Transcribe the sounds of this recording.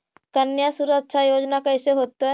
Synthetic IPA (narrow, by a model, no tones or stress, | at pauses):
kənjasuɾətːʃʰajoːd͡ʒnakɐɪseɦoːt̪a